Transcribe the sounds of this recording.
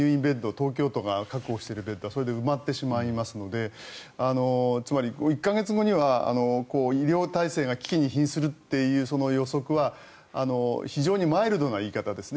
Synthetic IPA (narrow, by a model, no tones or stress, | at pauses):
ɯ̟ːĩmbẽ̞nd̪o̞t̪o̞ːk̬ʲo̞ːt̪o̞ɡakakɯ̟o̞ːɕi̥t̪e̞ɾɯ̟be̞nd̪o̞aso̞ɾe̞d̪eɯ̟mat̪ːe̞ɕimaimasɨno̞d̪e̞ano̞t͡sɨmaɾʲiɡoikːaɡe̞t͡sɨɡo̞ɲ̟iβaa̰no̞ko̞ːiɾʲjo̞ːt̪aise̞ːɡakʲi̥kʲiɲ̟içĩɰ̃sɨɾɯ̟t̪ːe̞jɯ̟ːso̞no̞jo̞so̞kɯ̟βa | ano̞çiʑo̞ːɲ̟imaeɾɯ̟d̪o̞naiːkat̪ad̪e̞sɨn